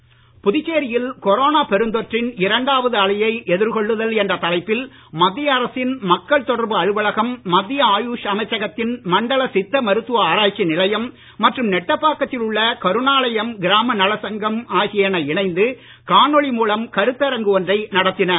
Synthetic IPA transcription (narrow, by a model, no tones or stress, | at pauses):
pʊðɪt͡ʃːeːɾɪjɪlkɔɾoːnaːpɛɾɯnd̪ɔʈrɪnɪɾɐɳɖaːʋɐðɯɐɭɪjɐɪʔɛðɪɾkɔɭːɯðɐlɛndrɐt̪ɐlɐɪpːɪl | mɐd̪ːɪjɐːɾɐsɪnmɐkːɐɭt̪ɔɽɐɾbɯɐɻɯʋɐɭɐɣɐmːɐd̪ːɪjɐaːjuːʂɐmɐɪt͡ʃːɐɣɐt̪ːɪnmɐɳɖɐlɐsɪt̪ːɐmɐɾɯt̪ːɯʋɐaːɾaːt͡ʃːinɪlɐjɐmː | ɐʈrɯmnɛʈːɐpːaːkːɐt̪ːɪlʊɭːɐkɐɾɯnaːlɐjɐmɡɪɾaːmɐnɐlɐsɐŋɡɐmaːɣɪjɐnɐɪɳɐɪnd̪ɯ | kaːɳɔɭimuːlɐmkɐɾɯt̪ːɐɾɐŋɡɯɔndrɐɪnɐɽɐt̪ːɪnɐ